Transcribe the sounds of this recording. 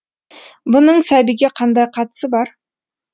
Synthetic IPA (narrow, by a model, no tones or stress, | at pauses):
bʊnəɴsæbiɡʲe̞qʰɑnd̪ɑjqʰɑt̪ə̥səbɑɾ